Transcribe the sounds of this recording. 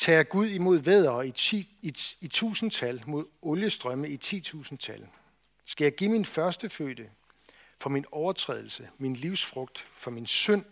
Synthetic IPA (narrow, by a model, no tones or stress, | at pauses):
t͡sʰɛ̰ːaɡ̥uð̞̰ˠimo̝ð̞̰ˠʋeð̰ˠɐː | it͡sʰṵːsn̩t͡sʰælmo̝ð̞̰ˠɔ̽ljəsd̥ʁɶməit͡sʰḭːt͡sʰṵːsn̩t͡sʰæl | sɡ̥æjɑ̈ɪɡ̥iminfɶɐsd̥əfø̰ːd̥ə | fɒ̽minɒʊɐt͡sʰʁɛ̰ːð̞ˠl̩səminliʊsfʁɔ̽ɡ̥̚d̥fɒ̽minsøn̰